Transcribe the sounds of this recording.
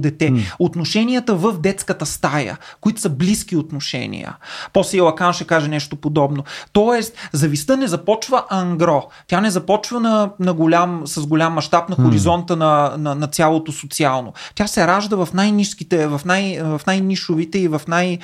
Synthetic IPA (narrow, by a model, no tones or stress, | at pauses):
d̪ɛt̪ɛot̪noʃɛnʲijət̪əvəfd̪ɛt̪skət̪əst̪ajə̰koit̪ʊ̥səblisk̟iot̪noʃɛ̰nʲḭjə̰pɔslɛilˠɐkanʃɛkaʒɛnɛʃt̪opod̪ɔbnot̪ɔɛst̪zɐvist̪ɤnɛzɐpɔt͡ʃvəʔɐŋɡɾɔt̪ʲjanɛzɐpɔt͡ʃvənɐnɐɡolʲamsɐzɡolʲamːɐʃt̪apnɐxoɾizɔnt̪ənɐnɐnɐt̪sʲjalˠot̪osot̪sialˠno̰t̪ʲjasɛɾaʒd̪əvɐfnajniʃskit̪ɛvɐfnajvɐfnajniʃʊvit̪ɛivɐfnaj